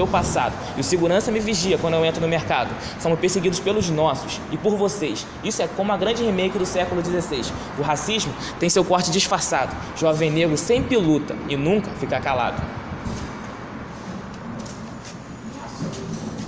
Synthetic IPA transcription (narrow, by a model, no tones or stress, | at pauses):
ewpasa̰d̪ʊɪʊseɡuɾɐ̃sɐmɪviʒiɐkwɐ̃nd̪ʊewẽnt̪ɾʊnʊmeɾkad̪ʊ | sõmʊʃpeɾseɡid̪ʊʃpelʊznɔsʊsɪpʊɾvosejs | isʊɛkõmʊɐɡɾɐ̃nd͡ʒɪhemejkɪd̪ʊsɛkʊlʊd͡ʒizesejs | ʊɦasiʒmʊ | t̪ẽj̃sewkɔɾt͡ʃɪd͡ʒiʃfasad̪ʊ | ʒɔvẽj̃neɡɾʊsẽj̃pilut̪ɐɪnũŋkɐfikakala̰d̪ʊ